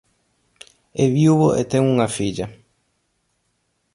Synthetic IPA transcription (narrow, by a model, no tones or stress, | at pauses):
eβiwβoʔḛt̪eŋuŋɐfiʎɐ